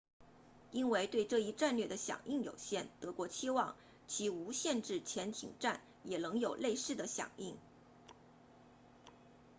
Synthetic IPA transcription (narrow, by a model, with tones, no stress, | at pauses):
i˥nwe˥˧ɪt̪we˥˧ɪʈ͡ʂɤ˥˧i˥˧ʈ͡ʂa˥˧nlɥɛ˥˩d̪ə˩ɕjɑ̰˨˩ŋʔi˥˩ŋjo˨˩ʊɕjɛ˥˩nt̪ɤ˧˥kwɔ˧˥t͡ɕʰi˥wɑ˥˩ŋ | t͡ɕʰi˧˥u˧˥ɕjɛ˥˧nʈ͡ʂɻ̩˥˩t͡ɕʰjɛ˧˥nt̪ʰḭ˨˩ŋʈ͡ʂa˥˩n | jɛ˨˩lɤ˧˥ŋjo˨˩ʊle˥˧ɪʂɻ̩˥˩d̪ə˩ɕjɑ̰˨˩ŋi˥˩ŋ